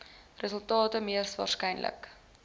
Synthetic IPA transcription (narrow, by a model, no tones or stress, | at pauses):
rəsəlˠtɑːtəmiərsvɑ̰ːrskɛjnlʔə̰k